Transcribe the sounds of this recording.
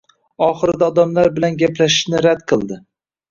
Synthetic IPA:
ɒχɨɾɪd̪aɒd̪amlaɾbɪlanɡʲaplaʃɪ̥ʃnɪɾad̪qʰɨlˠd̪ɪ

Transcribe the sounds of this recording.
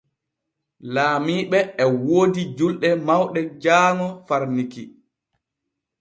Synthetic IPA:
laːmiːɓɛːwoːdid͡ʒulɗɛmawɗɛd͡ʒaːŋɔfaɾniki

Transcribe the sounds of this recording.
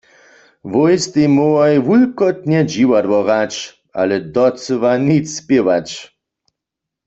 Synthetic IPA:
ʋojst̪imoajʋulkɔt̪ɲɛd͡ʒiwad̪wɔʁat͡ʃ | ʔa̰lɛd̪ɔsɨʋanit͡sspjewat͡ʃ

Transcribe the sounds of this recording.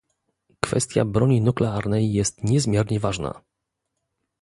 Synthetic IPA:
kfɛ̰st̪ʲja̰bɾɔɲinuklɛaɾnɛjːɛst̪ɲɛzmʲjɛɾɲɛvaʐna̰

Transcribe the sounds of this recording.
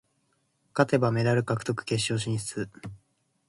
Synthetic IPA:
kat̪e̞bame̞d̪aɾɯ̟kakɯ̥t̪o̞kɯ̟̥ke̞ɕo̞ːɕ̬ĩɰ̃ɕi̥t͡sɨ

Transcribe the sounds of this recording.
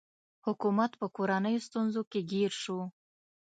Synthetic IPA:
hʊkumat̪pəkoɾanəjost̪unzokeɡiɾʃu

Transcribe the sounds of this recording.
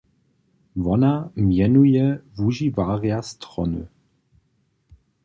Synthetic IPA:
vɔnamjɛnujɛvuʒivaːʁjastʁɔ̰nṵ

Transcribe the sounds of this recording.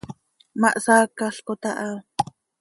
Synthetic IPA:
maʔsaːkaɬkot̪aʔa

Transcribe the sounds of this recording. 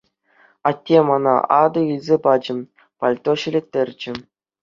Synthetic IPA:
ɑtʲːemɑnɑ̰ɑd̪ɤ̆ilʲzʲepɑd͡ʑɘ̆m | pɑlʲt̪oɕilʲet̪ʲːerʲd͡ʑɘ̆

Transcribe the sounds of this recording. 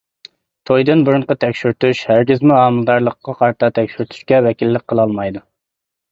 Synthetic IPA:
t̪ʰojd̪ɨnbuɾʊɴqɑt̪ʰɛkʲʃyɾt̪uʃhæɾɡʲɪzmuɑːmɨlˠd̪ɑɾlˠəqːɑqʰɑɾt̪ʰɑt̪ʰɛkʲʃyɾt̪ʰy̥ʃkʲɛvɛkʲilːɪk̚ʲqʰːəlˠɑlˠmɑjd̪u

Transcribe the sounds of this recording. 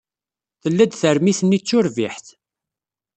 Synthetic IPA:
θəlːæd̪θəɾmiθənːit͡sːʊɾviħθ

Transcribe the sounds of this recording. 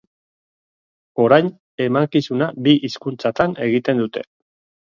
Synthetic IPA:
o̞ɾajn | e̞maŋkisunabiʔiskunt͡sat̪ane̞ɣit̪e̞nd̪ut̪e̞̥̰

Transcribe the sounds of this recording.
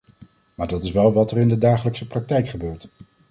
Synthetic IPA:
maːɹdɑtɪsʋɛlˠʋɑtərɪndədaːχələksəprɑk̚tɛjkχəbøːɹt

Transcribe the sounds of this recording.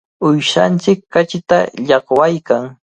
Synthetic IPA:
ʊjʃant͡sɪkːat͡ʃɪt̪a̰ʎɑχwajkaŋ

